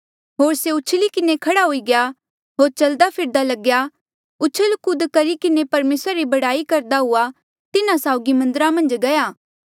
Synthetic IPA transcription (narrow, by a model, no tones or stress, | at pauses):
ɦoːɾseʊt͡ʃʰlikɪnekʰɐɽaɦoːiɡeja | ɦoːɾt͡ʃɐld̪apʰɪɾd̪alɐɡja | ʊt͡ʃʰəlkʊd̪kɐɾikɪnepɐɾmeːsɾaɾibɐɽaːikɐɾd̪aɦʊa | t̪ɪnãsaːʊɡimɐ̃nd̪əɾamɐ̃nd͡ʒɡɐjaː